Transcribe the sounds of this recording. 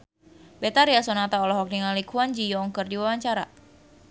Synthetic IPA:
bet̪aɾiasɔnat̪aɔlɔɦɔk̚niŋalikʰuand͡ʒijɔːŋkərdiwawaɲt͡ʃaɾa̰

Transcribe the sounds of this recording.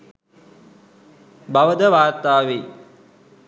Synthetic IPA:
baʋəd̪əʋaːrt̪aːʋe

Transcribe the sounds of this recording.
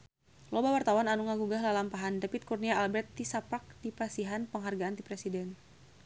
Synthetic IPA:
lobawart̪awananuŋaɡuɡaɦlalampaɦandapɪt̪̚kurniaalbɛrt̪ːisapak̚dipasiɦanpəŋɦarɡaant̪ipɾɛsidɛn

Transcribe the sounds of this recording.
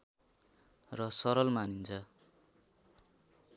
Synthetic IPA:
rʌsʌɾʌlmanint͡sʰʌ

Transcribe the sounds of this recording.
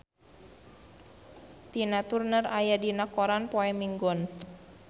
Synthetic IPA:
t̪inat̪urnərajadinakɔɾanpɔɛmiŋɡɔn

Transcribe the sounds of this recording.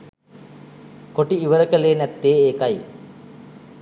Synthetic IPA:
koʈiiʋəɾəkəleːnæt̪ːeːeːkaj

